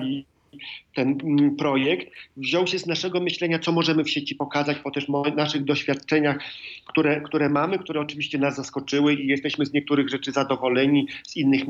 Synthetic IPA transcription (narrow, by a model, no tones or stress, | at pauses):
i | t̪ɛnpɾɔjɛkt̪vʑɔwɕɛznaʂɛɡɔmɘɕlɛɲat̪sɔmɔʐɛmɘfɕet͡ɕipɔkazat͡ɕpɔt̪ɛʂmɔnaʂɘɣd̪ɔɕfʲjat̪̚t͡ʂɛɲaxkt̪uɾɛkt̪uɾɛmamɘk̚t̪uɾɛɔt͡ʂɘvʲiɕt͡ɕɛnazːaskɔt͡ʂɘwɘijɛst̪ɛɕmɘzɲɛk̚t̪uɾɘɣʐɛt͡ʂɘzad̪ɔvɔlɛɲiz̥inːɘx